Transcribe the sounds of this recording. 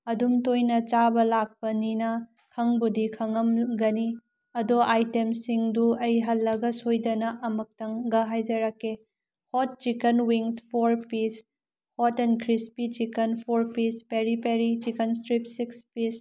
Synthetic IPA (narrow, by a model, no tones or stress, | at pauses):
ɐdumtojnɐt͡ʃabɐlak̚pɐninɐ | kʰɐŋbudikʰɐŋɐmɡɐni | ɐdoʔajtemsiŋduɐjɦɐlːɐɡɐsojdɐnɐʔɐmɐk̚tɐŋɡɐɦajd͡ʒɐɾɐkːe | hot̚t͡ʃikɐnwiŋspʰoɾpis | hotenkʰɾispit͡ʃikɐnpʰoɾpispeɾipeɾit͡ʃikɐnstɾipsikspis